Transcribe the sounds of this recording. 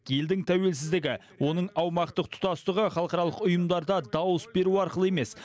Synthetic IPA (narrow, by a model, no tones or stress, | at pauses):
je̞ld̪ɪŋt̪ʰæwe̞lsɪzd̪ɪɡʲɪ | wo̞nəɴɑwmɑqt̪əq̚t̪ʰʊ̥t̪ɑst̪əʁəχɑlˠəqɑɾɑlˠəqʊjəmd̪ɑɾd̪ɑd̪ɑwəsbe̞ɾuɑɾqəlˠəe̞me̞s